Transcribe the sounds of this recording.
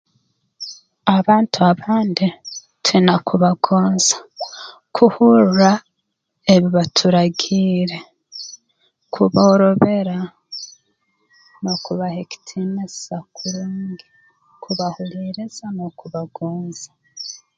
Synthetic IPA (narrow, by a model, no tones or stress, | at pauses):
aβaːntuaβaːndi | twinakʰuβaɡ̥oːnz̥ḁ | kʰuhuɾuɾa | eβiβatʰuɾaɡiːɾe̞ | kʰuβoːɾo̞βe̞ɾa | nokuβaheki̥tʰime̥sakʰuɾuːŋɡi | kuβahuliːɾiz̥anokuβaɡoːnzḁ